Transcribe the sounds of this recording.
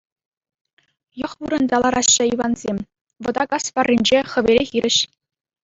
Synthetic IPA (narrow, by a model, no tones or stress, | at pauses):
jɤ̆χʋuɾɤ̆nʲd̪ʲɑlˠɑɾɑɕːɘ̆iʋɑnzʲemʲ | ʋɤ̆d̪ɑkɑspɑrʲːinʲd͡ʑeχɘ̆ʋʲeɾʲexʲiɾʲɘ̆ɕ